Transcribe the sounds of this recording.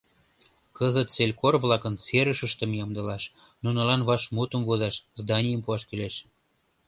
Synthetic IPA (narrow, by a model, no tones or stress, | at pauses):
kəzət̪t͡selʲkorβlɑkənt͡seɾəʃəʃt̪ə̆mjɑmd̪əlɑʃnunɤ̆lɑnβɑʃmut̪əmvozɑʃzd̪ɑnʲijəmpuɑʃkileʃ